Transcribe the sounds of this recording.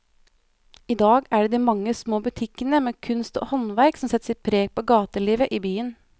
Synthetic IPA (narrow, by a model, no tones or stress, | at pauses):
ɪd̪ɑːɡæɖeːd̪iːmɑŋːəsmoːbʉt̪ʰɪkːənəmeːkʰʉnst̪o̰ːhɔnʋæɾksɔmsɛt̪ːsɪt̪̚pʰɾeːɡ̚pʰoːɡɑːt̪əɭiːʋəʔiːbyːən